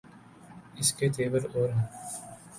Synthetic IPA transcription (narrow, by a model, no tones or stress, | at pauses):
ɪsket̪ʰeːʋəɾoːɾɦɛ̃ː